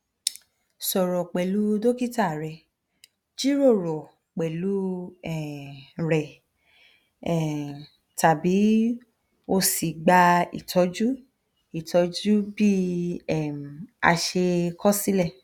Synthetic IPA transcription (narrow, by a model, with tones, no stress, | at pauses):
sɔ˨ɾɔ˨k͡pɛ˨lu˨˦do˦ki˦ta˦˨ɾɛ˨ | d͡ʒi˦ɾo˦˨ɾɔ˨ | k͡pɛ˨lu˨˦ɛ˨ɾɛ˨ | ɛ˨ | ta˨bi˨˦ | o˧si˨ɡ͡ba˧ḭ˨tʰɔ˨˦d͡ʒu˦ | i˦˨tɔ˨˧d͡ʒu˦bi˦ɛ˦˨m˨a̰˧ʃe˧kʰɔ˦si˦lɛ˦˨